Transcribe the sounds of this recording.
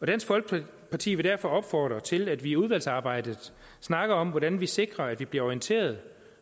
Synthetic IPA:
ɒ̽d̥ænsfɒ̽lɡ̥ə̥ | pʰɑ̈t͡sʰḭːʋe̝d̥æɐfɒ̽ɒ̽b̥fɒːd̥ʁɐt͡sʰe̝læd̥ʋiuð̞ˠʋæl̰sɑ̈ːb̥ɑ̈ɪ̰d̥ðəð̩ˠ | snɑ̈ɡ̥ɐɒ̽mʋɒɾænʋise̝ɡ̥ʁɐæd̥ʋib̥liɐɒiənt͡sʰe̝̰ːɐð̞̩ˠ

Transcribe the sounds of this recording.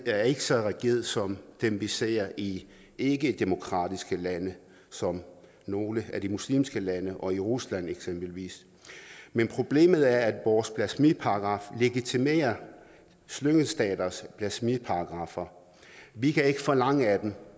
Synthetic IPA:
æɐe̝ɡ̥əsɒ̽ʁɛɡ̥ḛɐð̩ˠsɒ̽md̥emʋise̝̰ːɐʔi | e̝ɡ̥əd̥emo̝kʰʁɑ̰̈ːd̥isɡ̥əlænə | sɒ̽m | no̝ːləæd̥imuslḭːmsɡ̥əlænəʔɒ̽iʁuslæn̰eɡ̥sem̰b̥əl̩ʋḭːs | menpʰʁo̝b̥le̝̰ːmð̞̩ˠæɐæd̥ʋɒːspʰlæsmipʰɑ̈ɡ̥ʁɑ̈fle̝ɡ̥it͡sʰime̝̰ːɐ | sløŋəsd̥ɛ̰ːd̥ɐspʰlæsmipʰɑ̈ɑɡ̥ʁɑ̈fɐ | ʋikʰæe̝ɡ̥əfɒ̽lɑ̈ŋəæd̥em

